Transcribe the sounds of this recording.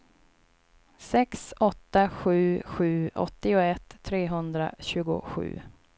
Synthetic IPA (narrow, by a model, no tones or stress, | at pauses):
sɛksɔt̪ːaɧʉ̟ːɧʉ̟ːɔ̰t̪ːɪʊɛt̪ʰːɾeːɦɵnd̪ɾa̰ɕʉ̟ːɡʊ̰ɧʉ̟̰ː